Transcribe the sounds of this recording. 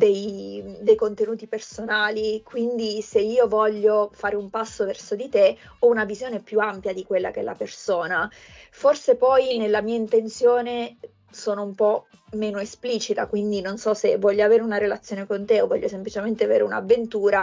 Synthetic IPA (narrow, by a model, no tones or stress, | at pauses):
d̪ejd̪ejkont̪enuːt̪ipersonaːlikwind̪iseiːovɔʎːofaːɾeumpasːovɛrsod̪it̪e | ɔunavizjoːnepjuampjad̪ikwelːakɛ̰lʔa̰persoːna | forsepɔjnelːamiːaint̪ent̪sjoːne | soːnoumpɔ | meːnoespliːt͡ʃit̪akwind̪inonsɔsevːwɔʎːoaveːɾeunaɾelat̪sːjoːnekont̪eovːɔʎːosemplit͡ʃement̪eavḛːɾeuna̰vːent̪uːɾa